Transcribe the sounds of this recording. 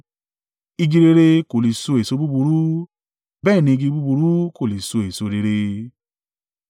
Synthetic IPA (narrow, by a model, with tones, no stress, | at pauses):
i˧ɡi˧ɾe˧ɾe˧ko˨li˨so˧e˨so˧bu˦bu˧ɾu˦ | bɛː˦˨nĩ˧i˧ɡi˧bu˧˦bu˧ɾu˦ko˦˨li˨so˧e˨so˧ɾe˧ɾe˧